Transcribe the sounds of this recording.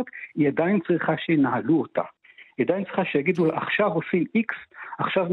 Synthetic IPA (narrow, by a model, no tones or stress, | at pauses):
ot̪iadajint͡sʁiχaʃenahaluota̰ | iad̪ajnt͡sʁiχaʃejaɡid̪ulʔaχʃavosimiksaχʃav